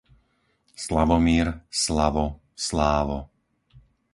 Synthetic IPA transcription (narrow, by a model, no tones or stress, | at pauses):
slaʋɔmiːɾslaʋɔ | slaːʋɔ